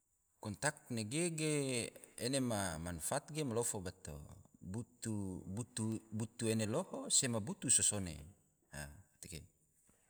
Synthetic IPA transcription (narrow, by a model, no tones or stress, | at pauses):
kɔnt̪ak̚t̪neɡeɡeenemamanfat̪̚ɡemalofobat̪o̰but̪ubut̪ubut̪uenelohosemabut̪usosonḛ | ha̰t̪eɡe